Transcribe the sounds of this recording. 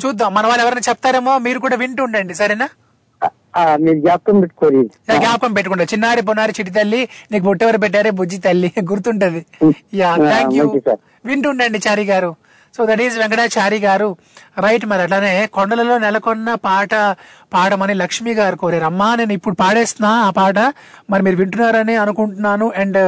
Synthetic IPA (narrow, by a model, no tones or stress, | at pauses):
t͡ʃuːd̪aːmːɐnɐʋaːɭːɛʋɐɾɐjnaːt͡ʃɛpːɐt̪aːɾe̞ːmo̞ːmiːɾuk̬uːɽaːʋiɳʈuɳɖɐɳɖisɐɾɐnaː | amiːɾuɡaːp̚kɐmpeʈːu̥koːniaɡjaːp̚kɐmpeʈːukuɳɖaːt͡ʃinːaːɽip̬onaːɾit͡ʃiʈ̬ːit̪̬ɐlːiniːkubuʈːeʋɐɾip̬ɛʈ̬ːaːɾeːbud͡ʒːit̪ɐlːiɡuɾt̪uɳʈund̪ijaːt̪ʰaːŋkjɐkisaːɾ | ʋiɳʈuɳɖɐɳɖit͡ʃaːɾiːɡaːɾu | so̞ːd̪ɐʈiːzʋɛŋkɐɽaːt͡ʃaːɾiːɡaːɾu | ɾɐjʈ̬maːɾɐʈlaːne̞ːkɔɳɖɐlɐlo̞ːnɛlɐkɔnːɐpaːʈɐ | paːʈɐmɐnilɐkʂmiːɡaːɾukoːɾaːɾɐmːaːneːnuipːuɽupaːɽeːst̪ɐnaːpaːʈ̬ɐ | mɐɾimiːɾuʋiɳʈunːaːɾɐniɐnukuɳʈunːaːnuʔɛɳɖ